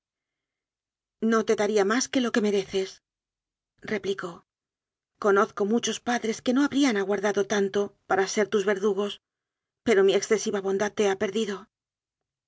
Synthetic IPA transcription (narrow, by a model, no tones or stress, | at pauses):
no̞t̪e̞ðaɾiamaske̞lo̞ke̞me̞ɾe̞θe̞s | re̞pliko̞ | ko̞no̞θko̞mut͡ʃo̞spaðɾe̞ske̞no̞aβɾianaɣwaɾðaðo̞t̪ant̪opaɾase̞ɾt̪uzβe̞ɾðuɣo̞s | pe̞ɾo̞mieksθe̞siβaβo̞nd̪aðt̪e̞ape̞ɾðiðo̞